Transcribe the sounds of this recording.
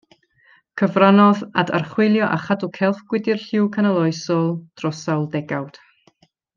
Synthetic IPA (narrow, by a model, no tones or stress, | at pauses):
kʰəvranɔða̰da̰rχwɪlˠjɔʔaχadukʰɛlˠθɡ̥wɪdɪrɬɪwkʰanalˠɔjsɔlˠd̥rɔsawlˠdɛɡawd̥